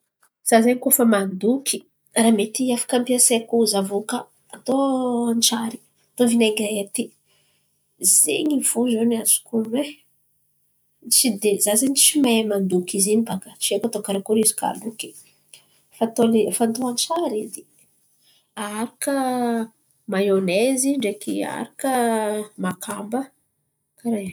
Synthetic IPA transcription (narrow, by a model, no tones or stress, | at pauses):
z̥azaɲikofəmand̪ukʰi̥ | ramet̪iafḁkampiasekuzavokəː | t̪oant͡ʃaɾi̥ | at̪ovinaŋɡʲaet̪i | zḛɲiv̥uzonazu̥kune | t͡ʃid̪ezazenit͡ʃimamand̪ukizinibakə̥t͡ʃiekat̪okaɾakuɾizi̥ka̰luki̥ | fat̪olifant̪oant͡ʃaɾid̪i | aɾakə | majoneziɳɖ͡ʐekia̰ɾakəmakʰambə | kaɾe